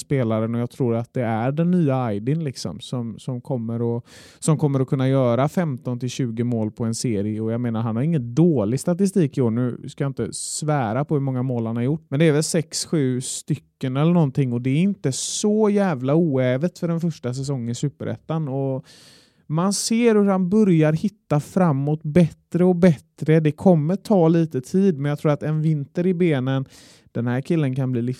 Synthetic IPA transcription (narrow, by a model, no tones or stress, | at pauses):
speːlaɾənɔjaːɡ̚t̪ʰɾuːɾat̪̚d̪ɛæɖɛnːyːaajd̪ɪnlɪksɔ̰msɔmsɔmkʰɔmːəɾɔ | sɔmkʰɔmːəɾɔkʰɵnːajœːɾafɛmt̪ɔnt̪ʰɪlɕʉ̟ːɡəmoːlpʰɔɛnseːɾɪəɔjaɡmeːnaɾɦanhaɾɪŋːənd̪oːlɪɡst̪at̪ɪs̬t̪iːkɪoːɳʉ̟ːskajaɪnt̪ə̰svæːɾapʰɔhɵmɔŋːamoːlanhaɾjʊʈːmɛnd̪ɛːɾvɛlsɛksɧʉ̟ːst̪ʏkːənɛlːəɳɔnt̪ʰɪŋːɔd̪ɛæɾɪnt̪əsɔjæːvlauːɛːvət̪fœɖɛnfœʂʈas̬ɛs̬ɔŋːənɪsʉ̟ːpə̰ɾɛ̰t̪ːanɔ | manseːɾhɵhanbœɾjaɾhɪt̪ːafɾamːɔt̪bɛt̪ɾəɔbɛt̪ɾəd̪ɛkʰɔmːəʈʰɑːliːt̪ət̪ʰiːd̪̚mɛnjat̪ʰɾuːɾat̪ɛnvɪnt̪əɾɪbeːnən | d̪̥ɛnhæːɾkʰɪlːənkʰanbliːlɪ